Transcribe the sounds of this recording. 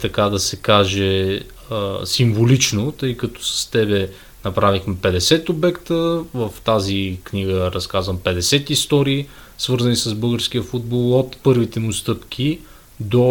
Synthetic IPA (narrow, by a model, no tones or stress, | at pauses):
t̪ɐkad̪ɐsɛkaʒɛ | əsimvolit͡ʃnot̪ɤjkɐt̪ɔ̥sɐ̥st̪ɛbɛ | nɐpɾavixmɛpɛd̪ɛsɛt̪obɛkt̪əvəft̪azikniɡəɾɐskazvəmpɛd̪ɛsɛt̪ist̪ɔɾiː | svɤɾzɐnisɐzbɤlˠɡəɾsk̟ʲiəfud̪̚bolˠot̪pɤɾvit̪ɛmust̪ɤpk̟ʰʲi | d̪o